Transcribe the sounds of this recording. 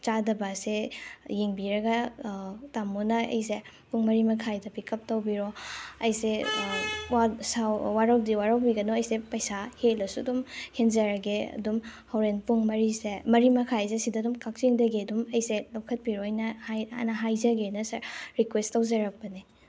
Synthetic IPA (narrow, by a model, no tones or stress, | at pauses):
t͡ʃadɐbɐsejeŋbiɾɐɡɐ | tamunɐɐ̰jse | puŋmɐɾimɐkʰajdɐbikɐp̚tɐwbiɾoɐjse | wasawwaɾɐwdiwaɾɐwbiɡɐnoɐjsepɐjsahelɐsudumhenzɐɾɐɡeɐ̰dumhɐwɾenpuŋmɐɾisemɐɾimɐkʰazesidɐdumkak̚t͡ʃiŋdɐɡeɐdumɐjselɐwkʰɐt̚piɾojnɐhaja̰nɐɦajzɐɡenɐsɐɾɾikwestɐwzɐɾɐk̚pɐni